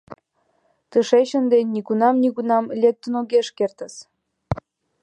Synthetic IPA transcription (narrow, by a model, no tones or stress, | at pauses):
t̪əʃeɕə̆nd̪enʲːikunɑmnʲikunɑmlʲek̚t̪ənoɣeʃkert̪ə̆s